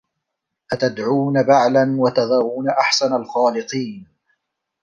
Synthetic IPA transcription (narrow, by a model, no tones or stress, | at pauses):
ʔat̪ad̪ʕuːnabaʕlanwat̪ɑðˤɑɾˤuːnaʔaħsanalxɑːlɪq̪ˤiːn